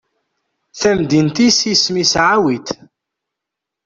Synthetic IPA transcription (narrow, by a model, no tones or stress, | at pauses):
θæmd̪int̪isismisʕawit̪